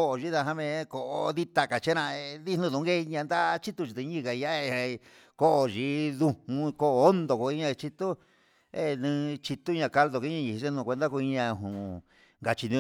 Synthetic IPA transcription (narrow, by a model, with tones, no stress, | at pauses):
o˦ʔo˨ʒi˦ða˧ɦã˦mẽ˧˦˧ko˨ʔo˧ði˦t̪a˧ka˨t͡ʃe˦nã˧e˧ði˦nũ˧ðũ˧˦ɡe˦˧ɲã˧nd̪a˦t͡ʃi˦t̪u˧i˧t̪ẽ˧ɲĩ˦˧ka˨˧ja˦˧ | ko˦ʔo˧ʒi˧ðũ˧hũ˧ko˦ʔo˦nd̪o˧ko˧i˦ɲã˧t͡ʃi˧t̪u˦ | e˧nɨ̃˧t͡ʃi˧t̪u˦ɲã˧ka˧ld̪o˧ke˧˦ã˧ɲĩ˧i˧e˦nũ˧˨kʷe˧nd̪a˦ko˧i˧ɲã˧ɦũ˨ | ŋɡa˧t͡ʃi˧nĩ˧